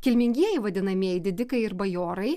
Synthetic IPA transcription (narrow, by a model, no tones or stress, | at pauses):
kʲɪlʲmʲɪŋʲɡʲiɛjɛɪʋɐd̪ʲɪnɐmʲiɛjɪd̪ʲɪd̪ʲɪkɐɪɪɾbɐjoːɾɐɪ